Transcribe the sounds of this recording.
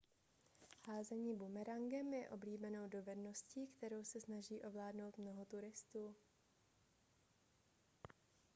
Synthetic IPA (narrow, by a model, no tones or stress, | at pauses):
haːzɛɲiːbumɛɾaŋɡɛmjɛʔo̞bliːbɛno̞wdo̞vɛdno̞sciːkt̪ɛɾo̞wsɛsnaʒiːʔo̞vlaːdno̞wt̪mno̞ɦo̞t̪uɾɪst̪uː